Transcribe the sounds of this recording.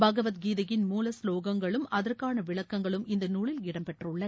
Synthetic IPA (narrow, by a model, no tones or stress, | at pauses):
bɐɣɐʋɐt̪ɡiːðɐjɪnmuːlɐsloːɣɐŋɡɐɭɯmɐðɐrkaːnɐʋɪɭɐkːɐŋɡɐɭɯmɪnd̪ɐnuːɭɪlɪɽɐmpɛʈrɯɭːɐ